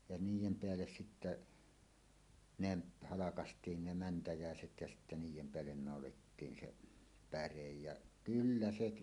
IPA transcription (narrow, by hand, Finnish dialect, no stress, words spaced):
jɑ niːjˑem peælːes sitːæ neb hɑlɑkɑstˑiːn ne mæntæjæˑeset jæ sitːæ niːjˑem peælːen nɑˑoletːiːn se pærej jɑ kylːæ seʔ